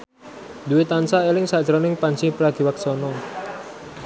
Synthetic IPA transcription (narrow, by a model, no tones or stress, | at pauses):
d̪uwet̪ansaelɪŋsad̥ʒ̥ɾɔnɪŋpanɲt͡ʃipɾaɡ̪̥i̤waksɔnɔ